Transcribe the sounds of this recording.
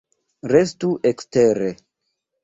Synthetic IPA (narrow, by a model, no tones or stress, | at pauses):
ɾes̬tuʔeksteɾe